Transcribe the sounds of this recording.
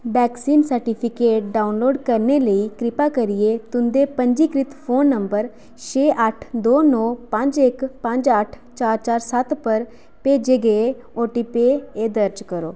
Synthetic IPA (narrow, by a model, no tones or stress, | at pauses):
bɛːksiːnsəɾʈiːpʰɪkeːʈɖaːunloːɖkəɾneːləiːkɾɪpaːkəɾɪeːt̪ʊnd̪eːpəɲd͡ʒiːkɾɪt̪pʰoːnːəmbəɾ | t͡ʃeːʔəʈʰd̪oːnɔːpə̃ɲd͡ʒɪkpə̃ɲd͡ʒəʈʰ | t͡ʃaːɾt͡ʃaːɾsət̪pəɾ | peːd͡ʒeːɡəe | oːʈiːpeːeːd̪əɾd͡ʒkəɾo̰ː